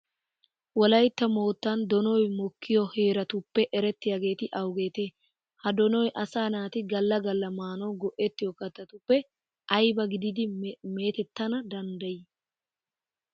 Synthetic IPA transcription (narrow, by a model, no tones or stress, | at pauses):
wɔlɐjt̪ːɐmo̞ːt̪ːɐnd̪ɔnɔjmɔkːɪjɔhe̞ːɾɐt̪ʊpːɛʔɛɾɛt̪ːɪjaːɡe̞ːt̪ɪʔɐwɡe̞ːt̪eː | hɐd̪ɔnɔjʔɐsaːnaːt̪ɪɡɐlːɐɡɐlːɐmaːnɔwɡɔʔɛt̪ːɪjɔkɐt̪ːɐt̪ʊpːɛ | ʔɐjbɐɡɪd̪ɪd̪ɪme̞ːt̪ɛt̪ːɐnɐd̪ɐnd̪ɐjɪ